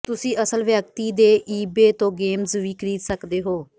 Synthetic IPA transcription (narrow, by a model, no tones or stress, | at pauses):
t̪ʊsĩːʔəsəlʋjək̚t̪iːd̪eːʔiːbeːt̪õːɡeːmzʋiːkɾiːt̪səkd̪eːɦoː